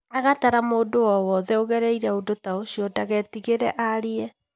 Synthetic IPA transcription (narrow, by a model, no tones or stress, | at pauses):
aɣataɾamoːdowɔwɔðɛoɣɛɾɛiɾɛodotaoɕiɔtaɣɛtiɣeɾɛʔaɾeɛ